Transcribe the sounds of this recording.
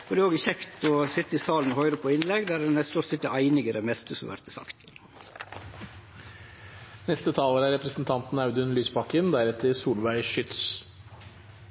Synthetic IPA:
fɔd̪ɛoːɡɪçɛkt̪ɔsɪt̪ːəɪsɑːln̩hœʏɾəpʰɔɪnlɛɡd̪æɾɛnɛst̪oːɾsɪt̪ːəʔæɪnɪɡəɾɛmɛst̪əsɔmʋæ̰ɾt̪əsɑ̰kt̪ | nɛst̪ət̪ʰɑːləɾæɾɛpɾəsn̩t̪ʰɑnt̪n̩ɑʉd̪ʉnlyːspʰɑkənd̪æɾɛt̪ʰːəsuːlʋæɪʃʏt̪s

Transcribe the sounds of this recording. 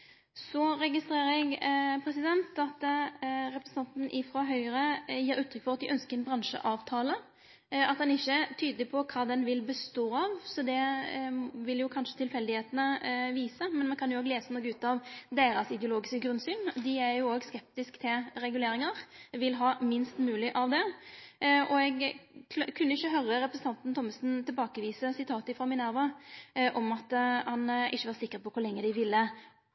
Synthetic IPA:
sɔɾɛɡɪst̪ɾeːɾəɛɡpʰɾɛsɪd̪ɛnt̪ɑt̪ | ɾɛpɾɛsn̩ɑnt̪n̩ʔɪfɾɑːɦœʏɾəjiːɾʉːt̪ʰːɾʏkfɔʁɑt̪̚d̪ɪʔœnskəɾɛnbɾɑnʂə̰ʔɑːʋt̪ʰɑːlə | ɑt̪d̪ɑnɪçːət̪ʰyːd̪əlɪpʰɔkʰɑːd̪ɛnʋɪlbəst̪oːɑʋsɔd̪ɛ | ʋɪljʊkʰɑnʂə̥t̪ʰɪlfɛld̪ɪheːt̪ənəʋiːsəmɛnmɛnkʰɑnjʊoːɡleːsənɔkːʉːt̪ɑʋd̪eːɾɑsɪd̪ɛʊloːɡɪskəɡɾʉnsyːnd̪ɪæɾjʊoːɡskɛp̚t̪ɪskt̪ʰɪlɾɛɡʉleːɾɪŋɑɾʋɪlɦɑːmɪnst̪mʉːlɪʔɑʋd̪ɛ | ʔɔɛɡkʰkʰʉnːəɪçːəɦœɾəɾɛpɾəsn̩t̪ʰɑnt̪n̩t̪ʰɔmːəsnt̪ʰɪlbɑːkəʋiːsəsɪt̪ʰɑːt̪əɪfɾɑmɪnæːɾʋəʔɔmɑt̪hɑnɪçːəʋɑːɾsɪkːəɾpʰɔkʰʊɾlɛŋːəd̪ɪʋɪlːə

